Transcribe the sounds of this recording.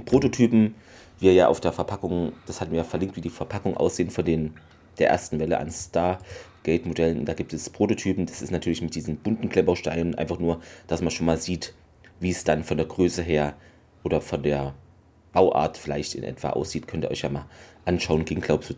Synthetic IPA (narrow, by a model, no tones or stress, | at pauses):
pʁ̥oːtotʰyːpm̩ | viːɐjaːʔaʊfd̥eːɐfɛɐpʰakʊŋd̥ashatn̩viːjaːfɛɐlɪŋk̚tv̥iːdiːfɛɐpʰakʊŋəʔa̰ʊsz̥eːənfɔndeːn | d̥eːɐʔḛːɐstn̩vɛləʔa̰nstaːɐɡ̥ɛɪtmodɛlənʊ̰ntd̥aːɡiːp̚tɛspʁ̥oːtotʰyːpm̩d̥asɪ̰stnatʰyːɐlɪçmɪt̚d̥iːzn̩b̥ʊntn̩kl̥ɛbɐʃtaɪlənʔaɪnfaχnuːɐd̥asmanʃoːnmaːlziːt | viːsd̥anfɔndeːɐɡʁøːsəɦeːɐ | ʔoːɾɐfɔndeːɐ | b̥aʊʔa̰ːɐtfɪla̰ɪçtɪ̰nʔɛ̰tv̥a̰ːʔa̰ʊsz̥iːtkʰœntiːʔɔ̰çjaːmaːlʔanʃaʊənɡ̥ɪːŋɡ̥laʊbəsd̥u